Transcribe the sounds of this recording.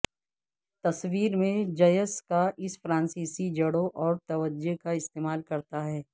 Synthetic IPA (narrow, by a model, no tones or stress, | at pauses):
t̪ɐswiːɾmẽd͡ʒɐjəskaʔɪsfɾãːnsiːsid͡ʒɐɽoʔɔːɾt̪ɐʋəd͡ʒekaɪst̪eːmaːlkɐɾt̪aɦɛː